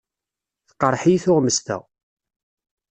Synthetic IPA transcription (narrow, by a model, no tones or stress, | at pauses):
θqːəɾˤħijθʊʁməst̪ə̰